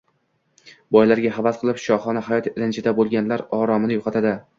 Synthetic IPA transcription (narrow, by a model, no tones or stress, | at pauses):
bɒjlaɾɡʲaɦɑbasqʰɨlˠɪpʃɒχɒnahajɒt̪ʰɪɾɪnt͡ʃʰɪd̪abolˠɡʲanlaɾɒɾɒmɪnɪjoqʰɑt̪ʰad̪ɪ